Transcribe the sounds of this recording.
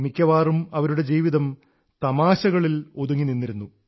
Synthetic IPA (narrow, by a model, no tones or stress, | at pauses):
mikʲːɐʋaːrumɐʋɐɾuɽe̞d͡ʑiːʋiðɐm | t̪ɐmaːɕɐɣɐɭiloðuŋːininːiɾunːu